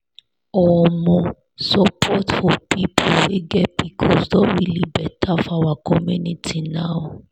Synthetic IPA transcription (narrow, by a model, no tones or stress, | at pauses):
ɔmɔ | sɔpʰɔtfɔpipʰoiɡɛpikʰɔsdɔwilibɛtʰafawakʰɔmunitʰinawo